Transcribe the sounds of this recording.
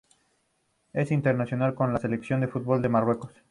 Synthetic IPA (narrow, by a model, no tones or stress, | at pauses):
e̞sint̪eɾnasjo̞nalkonlase̞leksjo̞nd̪efut̪̚bo̞ld̪e̞marwe̞ko̞s